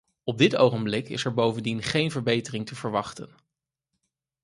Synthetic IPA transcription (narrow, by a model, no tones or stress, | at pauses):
ɔb̚dɪtowχənblɪkɪ̰sɛɹbowvəndinχejnvəɹbejtərɪŋtəvəɹʋɑχtən